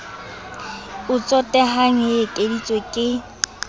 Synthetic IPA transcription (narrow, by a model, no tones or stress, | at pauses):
ʊt͡sʼɔtʼɛɦaŋetʼedit͡sʼwekʼɪ